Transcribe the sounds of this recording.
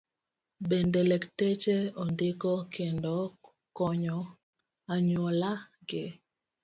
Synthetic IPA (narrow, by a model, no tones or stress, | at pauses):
bendelektet͡ʃeondɪkɔkʰendo | kɔɲɔ | aɲwolaɡɪ